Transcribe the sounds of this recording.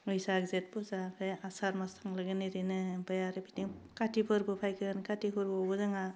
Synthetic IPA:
ɯjsaɡzet̚buzapʰeasaɾmastʰaŋlaɡeniɾinɯpajaɾɯbitiŋkatipʰɯɾbɯpʰajkʰɯnkatiɦʰuɾbobɯzɯŋa

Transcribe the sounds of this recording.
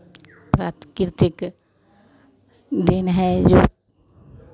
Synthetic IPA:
pɾaːt̪kɾt̪ɪk | d̪eːnɦɛd͡ʒoː

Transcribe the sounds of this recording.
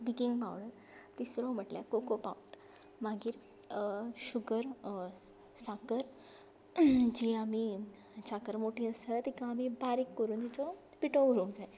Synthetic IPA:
bikiŋɡba̰wɽəɾ | t̪isɾɔ̃m̤əʈla̰kokopa̰uɳʈ | maɡiːɾ | ɕuɡəɾ | sakəɾ | d͡ʑiami | sakəɾmoʈʰiəsət̪ikãːmibaɾekːəɾuːnt̪it͡sɔ | piʈouɾũːŋd͡zae

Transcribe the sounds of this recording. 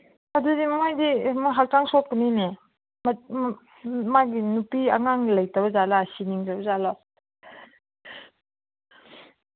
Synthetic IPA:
adudimamajdimɔɦak̚taŋsɔk̚kənine | m | maɡinupia̰ŋaŋlɐjtabɐzalasiniŋzabɐzalɔ

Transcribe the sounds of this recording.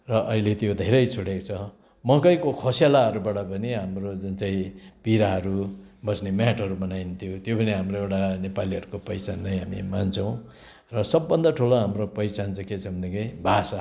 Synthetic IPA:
rʌʔʌilet̪jod̪ʱeɾʌjt͡sʰuɽekt͡sʰʌ | mʌkʌjkokʰosjalaʌɾubaʈʌpʌniɦamrod͡zʌnt͡saĩpiɾaɦʌɾubʌsnemjaʈʌɾumʌnajnt̪ʰjot̪jopʌniɦamroewʈanepaliʌɾukopʌjt͡sanːʌjɦamimant͡sʰʌw̃ | rʌsʌbːʌnd̪ʌʈʰuloɦamropʌjsant͡sʰʌket͡sʰʌbʌnd̪ekebʱasa

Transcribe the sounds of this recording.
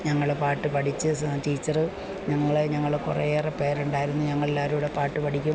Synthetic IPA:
ɲɐŋːɐɭepaːʈːɨpɐʈʰit͡ɕːɨʈiːt͡ɕːɐrɨ | ɲɐŋːɐɭeɲɐŋːɐɭkurɐ̰jerepe̞ːɾuɳɖaːjiɾunːuɲɐŋːɐɭelːaːɾuːɽe̞paːʈːɨpɐʈʰikʲːum

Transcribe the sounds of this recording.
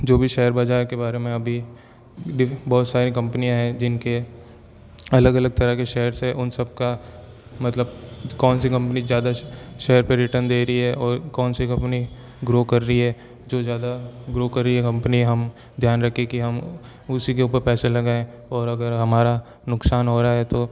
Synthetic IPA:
d͡ʒoːbʱiʃɛːəɾbɐd͡ʒaːkebaːɾemẽɐbʱi | ɖɪbɔːt̪saːɾikɐ̃mpənijãɦɛ̃d͡ʒɪnke | ɐləɡɐləɡ̚t̪ɐɾəkeʃɛɦəɾseʔʊnsɐb̚ka | mɐt̪ləb̚kɔːnsikɐ̃mpnizjaːd̪aʃɛɦəɾpeɾɪʈəɾnd̪eːɾəiɦɛʔɔːɾkɔːnsikɐ̃mpni | ɡɾoːkɐɾːəɦiɦɛ | d͡ʒoːzjaːd̪aɡɾoːkɐɾːəiɦɛkɐ̃mpəniɦɐm | d̪ʱjaːnɾɐkʰːekiɦɐm | ʊsikeuːpəɾpɛːselɐɡaẽ | ɔːɾɐɡəɾɦɐmaːɾa | nʊksaːnɦoːɾaaɦɛt̪oː

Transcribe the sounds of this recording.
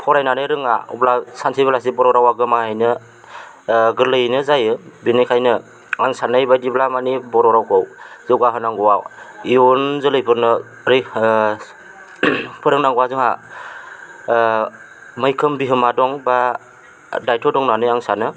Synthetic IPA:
pʰɔɾajnanɯɾɯŋa̰ṵblasansʰiblas̬ibɔɾɔɾawaɡɯmahajnɯ | ɡɯɾlɯjnɯzajɯbinɯkʰajnɯ | aŋsanɯjbajdiblamanibɔɾɔɾawkʰɔwzɯɡaɦɯnaŋɡɔwawiunzɯlɯjpʰɯɾnɯ | ɾi | pʰɯɾɯŋnaŋɡɔwazɯŋa | mɯjkʰɯmbiɦɯmadɔŋba | dajtʰɔdɔŋnanɯaŋsanɯ

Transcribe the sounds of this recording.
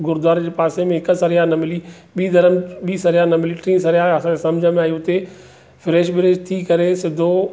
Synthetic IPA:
ɡʊɾd̪aːɾd͡ʑeːpaːsemẽɦɪkə̆sɐɾijaːnɐmɪli | ɓiːd̪ɐɾəmɓiːsɐɾijaːnɐmɪliʈɾĩːsɐɾijaɐsãd͡ʑeːsɐmd͡ʑʱəmẽaːjuʊt̪e | fɪɾeːʃbɪɾeːʃt̪ʰikɐɾesɪd̪ʱo

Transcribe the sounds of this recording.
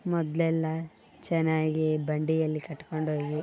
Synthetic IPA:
mɔd̪lɛlːɐ | t͡ʃɛnːaːɡibɐɳɖijɐlːikɐʈːkoɳɖɦoːɡi

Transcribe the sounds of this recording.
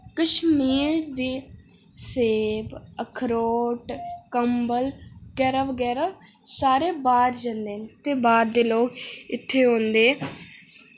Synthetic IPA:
kəʃmiːɾd̪iː | seːbəkʰɾoːʈkəmbəlɡɛːɾəʋɡɛːɾəʋsaːɾeːbaːɾd͡ʒãːnd̪eːnt̪eːbaːɾd̪eːloːkɪt̪ʰːeːɦõːnd̪eː

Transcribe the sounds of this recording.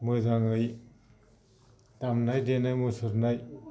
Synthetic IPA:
mojzaŋɯj | tamnajdenajmujsɯɾnaj

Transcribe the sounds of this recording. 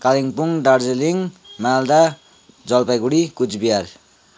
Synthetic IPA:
kaliŋpuŋɖard͡zeliŋmald̪a | d͡zʌlpajɡuɽikut͡sbiar

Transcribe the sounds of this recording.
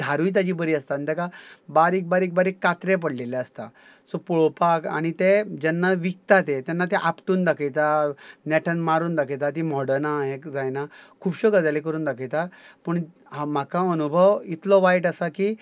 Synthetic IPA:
d̪ʱaɾujt̪ad͡ʑiːbəɾiːəst̪ant̪ɛkabaɾiːk̚baɾiːk̚baɾiːkːat̪ɾep̬əɽlelaəst̪a̰ | sɔpuɭopaka̰ɽ̃it̪ed͡ʑɛnːaʋik̚t̪at̪et̪anːat̪eʔapʈuːnd̪akʰəjt̪anɛʈʰənmaɾuːnd̪akʰəjt̪at̪imɔɽənaɦekd͡zajnakʰuːbɕɔɡad͡zalek̬əɾuːnd̪akʰəjt̪apəɳ | ɦam̤akãənubʱəʋit̪lɔʋajʈəsakiː

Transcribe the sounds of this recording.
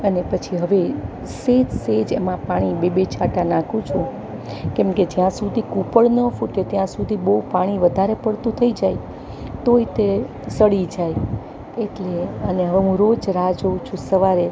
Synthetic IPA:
ənepət͡ʃʰiɦəʋe | sed͡ʒsed͡ʒḛmãpaɽ̃ibebet͡ʃʰaʈanãkʰũt͡ʃʰũ | kɛmked͡ʒjãsud̪ʱikupəɭnəfuʈet̪jãsud̪ʱiboupaɽ̃iʋəd̪ʱaɾepəɽt̪ũt̪ʰəid͡ʒaj | t̪oit̪e | səɽid͡ʒaj | eʈleəneɦəʋeɦũɾod͡ʒɾad͡ʒoũt͡ʃʰũsəʋaɾe

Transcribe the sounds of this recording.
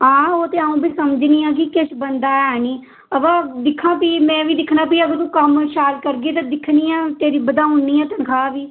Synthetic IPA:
ɦãːoːt̪eːaːũːbiːsəməd͡ʒniːãːk̬ɪkɪʃbənd̪aːɛːniː | əbaːd̪ɪkʰːãːpiːmɛ̃ːʋiːd̪ɪkʰnaːpiːəɡət̪ũːkəmʃaːlkəɾɡeːt̪ãːd̪ɪkʰniːɛːt̪eːɾiːbəd̪aːʊnːiːɛːt̪ənkʰaːbiː

